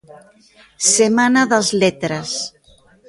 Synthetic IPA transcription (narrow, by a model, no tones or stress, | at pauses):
semanaðazlet̪ɾas